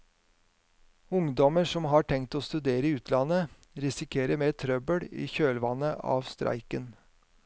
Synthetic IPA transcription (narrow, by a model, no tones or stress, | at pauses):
ʊŋd̪ɔməʂɔmɦɑːʈʰɛŋt̪oːst̪ʉd̪eːɾəɪʉːt̪ʰlɑnə | ɾɪsɪkʰeːɾəmeːt̪ʰɾœbəɽḭːçøːlʋɑnəʔɑ̰ːʋst̪ɾʔæ̰ɪkən